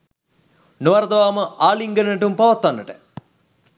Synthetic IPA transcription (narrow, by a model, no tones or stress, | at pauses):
noʋaɾd̪ɐʋaːməʔaːliŋɡənənəʈumpaʋat̪ːʋanːəʈə